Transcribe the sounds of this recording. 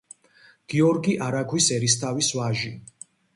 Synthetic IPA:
ɡ̥iɔɾɡiʔaɾakʰwisɛɾist̪ʰavisvaʒi

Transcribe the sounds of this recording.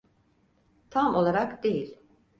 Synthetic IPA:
t̪ʰamo̞lˠaɾakd̪e̞jilʲ

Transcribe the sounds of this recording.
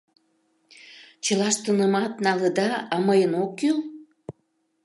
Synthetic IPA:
t͡ɕəlɑʃt̪ənəmɑt̪nɑləd̪ɑɑməjənokːyl

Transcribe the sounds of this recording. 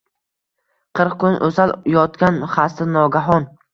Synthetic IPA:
qʰɨɾqkʊnʔɵ̰zaljɒt̪kʲanχast̪ɪnːɒɡʲaɦɒn

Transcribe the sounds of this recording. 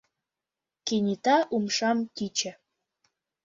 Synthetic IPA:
kenʲit̪ɑʔumʃɑmt̪ʲit͡ɕə̆

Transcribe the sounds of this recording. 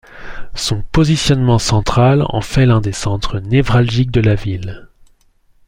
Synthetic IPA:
sɔ̃pɔzisjɔnmɑ̃sɑ̃t̪χalɑ̰̃fɛlɛ̃d̪esɑ̃t̪χənɛvʁalʒik̚d̪əlavil

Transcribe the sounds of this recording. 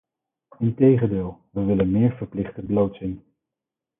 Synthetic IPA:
ɪntejχəndɪːlˠʋəʋɪlənmɪːɹvəɹplɪχtəblowtsɪn

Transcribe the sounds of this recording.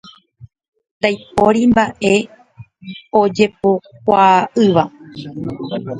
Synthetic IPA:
t̪ajpoɾimbaʔe̞ | o̞d͡ʒe̞pokʷaʔɨʋa

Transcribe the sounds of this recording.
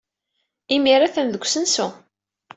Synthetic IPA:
imiɾaθənðəɡʷsənsu

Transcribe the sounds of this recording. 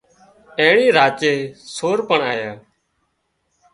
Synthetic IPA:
eːɭiːɾaːt͡ʃeːsoːɾpəɳaːjaː

